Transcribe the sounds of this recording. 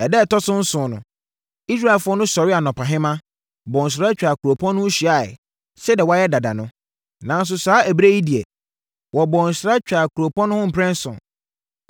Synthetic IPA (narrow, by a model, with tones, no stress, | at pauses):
ɛ˨dɛ˦˨tɔ˦sʊ̃˦n̩˦sʊ̃ː˨˦nʊ̰̃˨ | i˦s̬ɾa˦˨ɛ˨lfʊ˦ɔ˦nʊ̃˦sɔ˨ɾɪ˦a˨nɔ̃˨pʰa˨ɦɪ̃˦mã˦ | bɔ̃˨n̩˨s̬ɪɾa˦t͡ɕᶣa˨kʰu˨ɾo˨pʰɔ̃˦nːʊ̃˦ɕi˨a˨ɪ̰˨ | sɛ˦dɛ˨wɔ˦a˦jɛ˦da˨da˨nʊ̃˦ | nã˨n˦s̬ʊ˨saː˨˦æ˨bɾe˦ji˦di˨ɛ˨ | wʔɔ˨bɔ̃˨n̩˨sɾa˦t͡ɕᶣa˨kʰu˨ɾo˨pɔ̃˦nʊ̃˦hʊ̃˦m̩˨pʰɛ̃˦n˦sʊ̰̃˨n